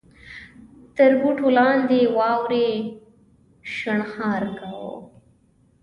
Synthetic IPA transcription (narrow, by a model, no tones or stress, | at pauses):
t̪əɾbuʈʰolɑːnd̪ewɑːwɾe | ʃaɳxɑːɾkawo̰